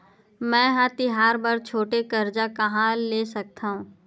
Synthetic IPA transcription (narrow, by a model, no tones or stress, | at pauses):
mɛ̃ːɦãt̪ɪɦaːɾbəɾt͡ʃʰoːʈekɐɾd͡ʒakɐɦãleːsɐk̚t̪aːɦũː